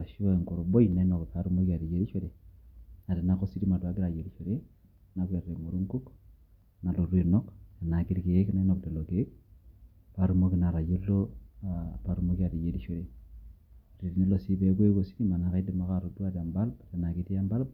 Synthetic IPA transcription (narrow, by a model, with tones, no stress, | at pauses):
a˨ʃi˦o˦˨ŋko˨ɾo˨bo˦i˨na˨˦no˨kka˨˦ɾu˦mo˦ki˦a˨ɾi˨d͡ʒe˦ɾi˦ʃe˦ɾe˨na˨te˨na˦ko˦si˦di˦ma˨twa˨˦ɡi˦ɾa˨d͡ʒe˨ɾi˦ʃe˨ɾe˦ | na˦ke˨e˨mo˨ɾu˦ŋku˦k | na˨lo˨ɾe˨nɔ˦ka˨na˨ki˦ɾi˨ke˨˦kna˦nɔ˨kte˨lo˨ke˦k̚ | pa˨˦ɾu˦mo˦ki˨na˨ɾa˨je˦lːo˦ | pa˨ɾu˦mo˦ki˦a˨ɾi˨d͡ʒe˨˦ɾi˦ʃe˦ɾe˨ | ɾi˨ɾi˨ne˦lo˨si˦pe˦ko˦e˦ko˨si˦ɾi˦ma˨na˨ka˦i˦di˨ma˦ka˦ɾo˨du˦a˦ta˨mba˦lba˨te˨na˨ki˦ti˦a˦mba˦l